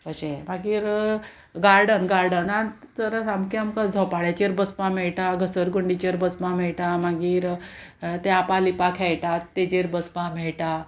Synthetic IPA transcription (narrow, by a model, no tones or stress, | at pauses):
əɕẽmaɡiːɾ | ɡaɾɖənɡaɾɖənat͡səɾəsamkiamkad͡zʱɔpaɽat͡ɕeɾbəspãmɛɭʈaɡʱəsəɾɡuɳɖit͡ɕeɾbəspãmɛɭʈamaɡiːɾ | t̪eapalipakʰɛjʈat̪ːed͡ʑeɾbəspãmɛɭʈa